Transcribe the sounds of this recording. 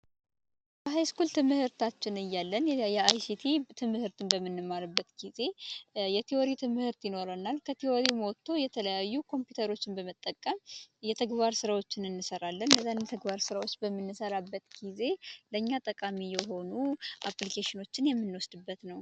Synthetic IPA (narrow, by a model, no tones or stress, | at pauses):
bəɦajskult̪ʰɨmɨhɨɾt̪ʰat͡ʃːɪnɨjːalːənjɛajsit̪ʰit̪ʰɨmːɨhɨɾt̪ʰɨnbəmːɨnːɨmːaɾɨbːət̪ɡ̥ize̞jɛt̪ʰioɾit̪ʰɨmɨhɨɾt̪jɪno̞ɾənːalkʰət̪ʰioɾimot̪ʰːo̞jɛt̪ʰələjajːukʰo̞mpjut̪ʰəɾo̞t͡ʃːɪnbəmət̪ʼːəkʼːəmjɛt̪ʰəɡbaɾsɨɾawo̞t͡ʃːɪnɨnːɨsəɾalːənləzanɛt̪ʰəɡbaɾsɨɾawot͡ʃːbəmːɨnːɨsəɾabːət̪ɡ̥ize̞ləɲːat̪ʼəkʼamijɛɦo̞nuʔaplikʰeʃɪno̞t͡ʃːɪnjɛmːɨnːwɔsd̪ɨbːət̪nəw